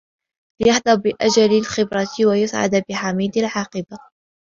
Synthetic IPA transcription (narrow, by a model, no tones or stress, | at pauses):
lɪjaħd̪ɑbbɪʔad͡ʒalalxɪbɾɑt̪wajʊsʕa̰d̪bɪħamiːd̪alʕɑːqɨba